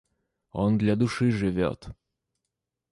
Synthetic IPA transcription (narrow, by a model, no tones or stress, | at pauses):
o̰nd̪lʲɐd̪ʊʂɨʐɨvʲo̰t̪